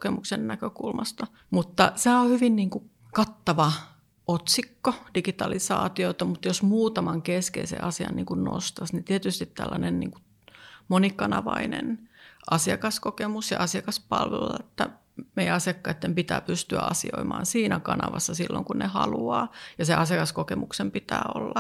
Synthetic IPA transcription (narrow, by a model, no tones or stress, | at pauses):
kemuksennækøkulmɑst̪ɑ | mut̪ːɑseæohyʋinniːŋku | kɑt̪ːɑʋɑ | ʔot̪sikːod̥ikit̪ɑlisɑːt̪iot̪ɑmut̪josmuːt̪ɑmɑŋkeskḛisḛʔɑsiɑ̰nniːŋkunno̰st̪ɑsnit̪iet̪yst̪it̪t̪ælːɑnennḭːŋku̥ | monikɑnɑʋɑinḛnʔɑsiɑkɑskokemusjɑ̰ʔɑsiɑkɑspɑlʋelːɑet̪ːæ | meijæɑsiɑkːɑit̪ːempit̪æːpyst̪yæ̰ɑsḭo̰imɑːnsiːnækɑnɑ̰ʋɑsːɑsilːo̰ŋkunnehɑluɑːjɑseʔɑsiɑkɑskokemuksempit̪æːo̰lːɑ